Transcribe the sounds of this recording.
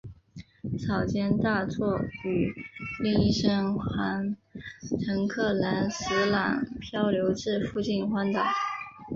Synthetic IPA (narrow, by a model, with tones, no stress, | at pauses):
t͡sʰɑ˨˩ʊt͡ɕjɛ˥nt̪a˥˧t͡swɔ˥˩y˨˩li˥˧ŋi˥˩˧ʂə˥ŋxwa˧˥n | ʈ͡ʂʰɤ˧˥ŋkʰɤ˥˩la˧˥nsɹ̩˧˥lɑ̰˨˩ŋpʰjɑ˥ʊljo˧˥ʊʈ͡ʂɻ̩˥˧fu˥˧t͡ɕi˥˩nxwa˥nt̪ɑ˨˩˦